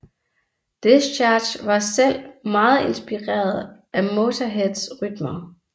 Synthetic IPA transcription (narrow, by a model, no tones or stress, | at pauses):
d̥est͡ɕʰɑ̥̈ːɕʋɑ̈sel̰mɑ̈ːð̩ˠe̝nsb̥iʁɛ̰ːɐð̩ˠʔæmo̝ːt͡sʰɐɦedsʁyd̥mɐ